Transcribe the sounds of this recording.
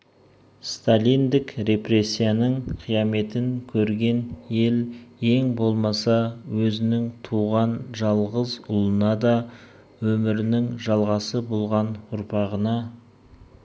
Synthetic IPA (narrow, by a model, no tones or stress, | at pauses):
st̪alʲijnd̪ɪkɾe̞pre̞sʲːijanəɴqʰijɑme̞t̪ɪŋkʲʰɵɾɡʲe̞nje̞lje̞ŋbo̞lˠmɑsɑwɵzɪnɪŋt̪ʰuʁɑnʒɑlˠʁəzʊlˠənɑd̪ɑ | wɵmɪɾɪnɪŋʒɑlˠʁɑsəbolˠʁɑnʊɾpɑʁənɑ